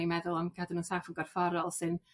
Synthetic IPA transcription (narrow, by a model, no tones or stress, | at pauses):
imɛðʊlˠɔmkʰadənuːnsafənŋɡɔrfɔɾɔlˠsɨn